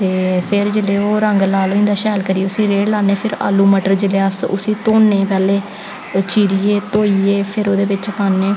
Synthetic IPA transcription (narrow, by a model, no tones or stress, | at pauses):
t̪eːpʰɪɾd͡ʒɪleːoːɾəŋɡlaːloːɪ̃nd̪aːʃɛːlkəɾiːʊsĩːɾeːʈlaːneːpʰɪɾa̰ːluːməʈəɾd͡ʒɪleaːsʊ̰sĩːt̪oːnẽːpɛːleː | t͡ʃiːɾiːeːt̪oːiːeːpʰɪɾoːd̪eːʋɪt͡ʃəpaːnːeː